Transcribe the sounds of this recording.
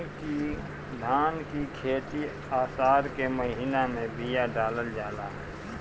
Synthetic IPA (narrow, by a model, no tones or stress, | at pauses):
ki | d̪ʱaːnkikʰeːt̪i | aːsaːɾkeməɦinamẽbʱijaɖaːləld͡ʒaːlaɦɛ